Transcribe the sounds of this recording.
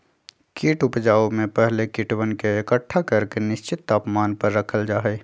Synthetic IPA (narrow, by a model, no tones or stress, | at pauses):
kiːʈʊpd͡ʒaːomẽpɛɦlekɪʈwənkeekəʈʰːakɐɾkenɪʃt͡ʃɪt̪ːaːpmaːnpəɾːəkʰəld͡ʒaːɦɛː